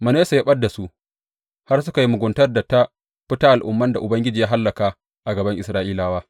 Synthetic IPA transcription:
mɐ˨ne˦sa˨ja˦ɓɐ˦dːa˨su˦ʔ | ha˦rsʊ˦ka˨ji˦mʊ˨ɡʷʊ˨˦ntɐ˦rda˨ta˦ | ɸɪ˦taː˦ʔa˨lʔʊ̰˨mːɐ˦nda˨ʔʊ˨bɐ˦ŋɡʲɪ˦d͡ʒiː˨jaː˦ɦa˦lːɐ˨ka˨ | ʔa˨ɡɐ˨bɐ˦ŋʔɪ˨sɾaː˦ʔiː˦laː˨waː˦

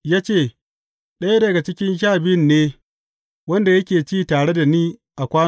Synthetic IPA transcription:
jaː˦t͡ʃeː˦˨ | ɗɐ˦ja˦dɐ˨ɡa˨t͡ʃɪ˦kʲɪ˦nʃ̬aː˦˨bɪ˦nːeː˦ | wɐ˦nda˨jɐ˦kʲeː˨t͡ʃiː˦taː˨ɽe˦da˨niː˦ʔa˨kʷaː˦

